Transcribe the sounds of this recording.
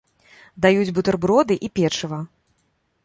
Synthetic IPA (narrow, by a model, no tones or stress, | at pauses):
d̪ajud͡zʲbɨt̪ɐrbɾɔd̪ɨʔipʲɛt͡ʂɨvɐ